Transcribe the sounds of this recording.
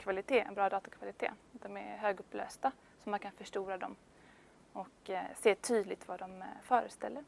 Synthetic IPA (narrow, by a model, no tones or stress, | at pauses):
kʰvalɪt̪ʰeːɛ̰nbɾɑːd̪ɑːt̪akʰvalɪt̪ʰḛːd̪̥ɔmɛ̰ɾɦøːɡɵpːlø̰ːst̪a | sɔmankʰanfœʂʈuːɾad̪ɔm | ɔkseːt̪ʰyːd̪lɪt̪vad̪ɔmfœːɾəst̪ɛ̰lːəɾ